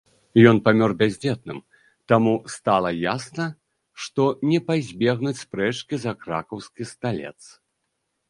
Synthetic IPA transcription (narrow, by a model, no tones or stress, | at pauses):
jɔnpamʲɔrbʲazʲd͡zʲɛt̪̚nɨm | t̪amust̪alˠɐjasnɐ | ʂt̪ɔnʲɛpazʲbʲɛɣnut͡sʲspɾɛt͡ʂkʲizɐkɾa̰kɐwskʲist̪alʲɛ̰t̪s